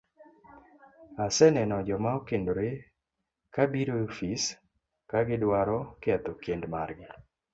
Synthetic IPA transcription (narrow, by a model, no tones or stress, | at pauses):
asɛnɛnɔd͡ʒɔmaokendoɾe | kabiɾofis | kaɡɪdwaɾɔkɪat̪okendmarɡɪ